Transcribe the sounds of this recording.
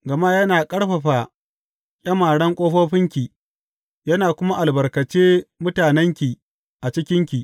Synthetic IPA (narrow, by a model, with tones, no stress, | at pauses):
ɡɐ˨ma˦jɐ˦naː˨kʼɐ˦ɽɸɐ˨ɸa˨ | kʲʼɐ˦maː˨ɽɐ˦ŋkʷʼoː˦ɸoː˦ɸɪ˦ŋkʲi˨ | jɐ˦naː˨kʷʊ˦ma˦ʔa˨lbɐ˨rkɐ˨t͡ʃeː˦mʊ˦taː˨nɛ˦ŋkʲi˨ | ʔa˨t͡ʃɪ˦kʲɪ˦ŋkʲi˨ʔ